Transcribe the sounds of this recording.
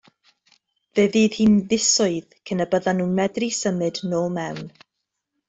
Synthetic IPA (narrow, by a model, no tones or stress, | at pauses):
veːðiːð̥hiːnðɪsʊɨðkʰənəbəðanːuːmɛdrisəmɨdnoːlˠmɛwn